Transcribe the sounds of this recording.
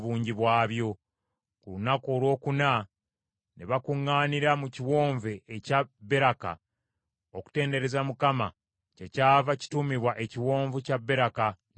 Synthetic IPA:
βuːɲɟiβwaːβjo̞ | kulunako̞ːlwo̞ːkuna | neβakuŋːaːniɾamuciwo̞ːɱveːcabːe̞ɾaka̰ | oku̥te̞ːnde̞ɾe̞zamukama | cecaːvaci̥tumiβwaʔeciwo̞ːɱvucabːe̞ɾaka

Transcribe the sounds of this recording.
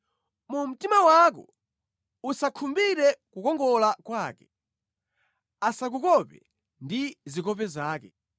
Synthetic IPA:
mum̩timawaːk̬ɔ̰ | usakʰumbiɾɛkukɔŋɡɔlakwaːkɛ | asak̬ukɔpɛ̰ | ndizikɔp̬ɛzaːkɛ

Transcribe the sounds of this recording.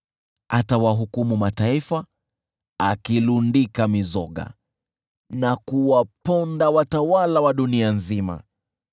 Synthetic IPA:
atawaɦukumumataifa | akilundikamizɔɠa̰ | nakuwapɔndawatawalawaɗunianzima̰

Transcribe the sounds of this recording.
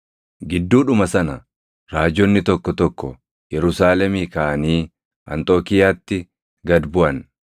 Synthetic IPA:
ɡɪd̪ːuːᶑʊmɐsɐnɐ | ɾaːd͡ʒɔnːɪt̪ɔkːɔt̪ɔkːɔ | jɛɾʊsaːlɛmiːkaʔɐniː | ʔɐ̰nt̪ʼoːkɪjaːt̪ːɪ | ɡɐd̪bʊʔɐn

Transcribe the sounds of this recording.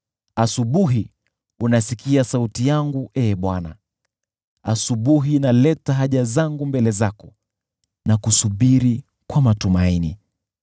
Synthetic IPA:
asuɓuɦi | unasikiasautijaŋɡuʔɛːɓwana̰ | asuɓuɦinalɛtaɦaʄazaŋɡumbɛlɛzakɔ | nakusuɓiɾi | kwamatumainḭ

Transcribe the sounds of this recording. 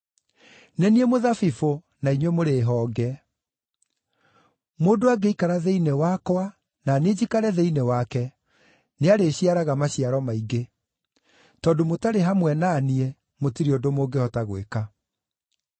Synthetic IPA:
nɛniɛmoðafifo | naiɲwɛmoɾeːɦɔːɡɛ | modoaɡeikaɾaðeinewakɔwa | naned͡ʑikaɾɛðeinewakɛ | neaɾeɕiaɾaɣamaɕiaɾɔmaiɡe | tɔːndomotaɾeɦamwɛnaːniɛ | motiɾiodomoɡehɔtaɣweka

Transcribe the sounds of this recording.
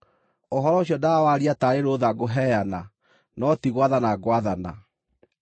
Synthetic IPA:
oɦɔɾɔoɕjɔdawaɾiataɾeɾoːðaɡoɦɛjana | nɔtiɣwaðanaɡwaðana̰

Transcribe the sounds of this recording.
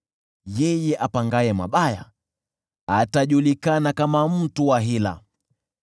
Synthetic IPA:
jɛjɛʔapaŋɡajɛma̰ɓaja̰ | ataʄulikanakamam̩tuwaɦila̰

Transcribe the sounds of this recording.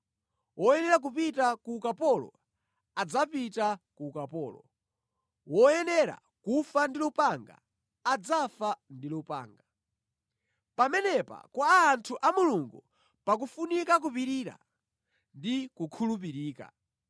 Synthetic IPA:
wɔɛnɛɾak̬upitakukapɔlɔ̰ | ad͡zapitakukapɔːlɔ̰ | wɔɛnɛɾa̰ | kufandilɔpaŋɡa̰ː | d͡zafandilupa̰ːŋɡa | pamɛnɛpa̰kwaːntʰuʔamuluŋɡu | pak̬ufunikak̬upiɾiɾa̰ | ndikukʰulup̬iɾiːka̰

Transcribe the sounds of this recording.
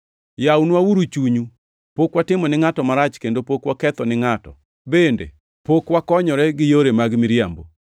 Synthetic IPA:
jawnwawuɾut͡ʃuɲu | pokwatɪmɔnɪŋatɔmaɾat͡ʃkendopokwakɛt̪ɔnɪŋatɔ̰ | bendḛ | pokwakɔɲɔɾɛɡɪjoɾemaɡmɪɾjambo

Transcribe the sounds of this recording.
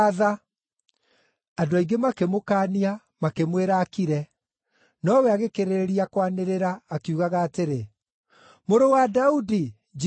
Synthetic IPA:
ða | adoaiŋɡemakemokaːnia | makemweɾaːkiɾɛ | nɔwɛaɣekeɾeɾiakwaneɾeɾaːkiuːɣaɣaːteɾe | moɾowadaudi | d͡ʒ

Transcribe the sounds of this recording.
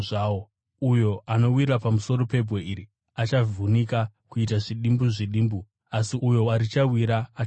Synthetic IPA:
ʐaːo | ujo̞ʔano̞wirrapamuso̞ro̞pe̞bʱɣoiɾi | at͡ʃavunikakuitaʐiɗimbuʐiɗiːmbu | asiujo̞aɾit͡ʃawiɾaː

